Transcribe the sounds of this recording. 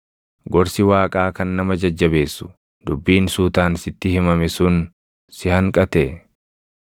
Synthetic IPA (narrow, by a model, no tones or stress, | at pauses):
ɡɔɾsɪwaːkʼaːkɐnːɐmɐd͡ʒɐd͡ʒːɐbe̞ːsːʊ̥ | d̪ʊbːiːnsuːt̪aːnsɪt̪ːɪhɪmɐmɛsʊn | sɪhɐŋkʼɐt̪ɛ